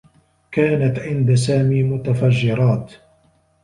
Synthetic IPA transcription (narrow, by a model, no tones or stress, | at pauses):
kaːnat̪ʕɪnd̪asaːmiːmʊt̪afad͡ʒːɪɾˤɑːt̪